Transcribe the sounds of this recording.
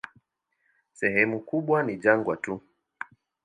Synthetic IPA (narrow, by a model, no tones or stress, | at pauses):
sɛɦɛmukuɓwaniʄaŋɡwatu